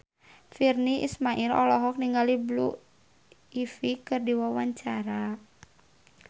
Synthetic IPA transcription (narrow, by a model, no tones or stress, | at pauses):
firniʔḭsmaʔilɔlɔɦɔk̚niŋɡaliblu | ifikɨrdiwawaɲt͡ʃaɾa